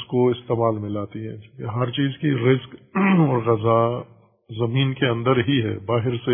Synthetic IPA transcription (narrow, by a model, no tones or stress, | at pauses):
skoɪst̪eːmaːlmɪlaːt̪iɦɛ̰̃ːd͡ʒkeɦɐɾt͡ʃiːzkiɾɪskɔːɾɣɐza | zɐmiːnkeɐ̃nd̪əɾɦiɦɛ̰ːbaːɦɪɾse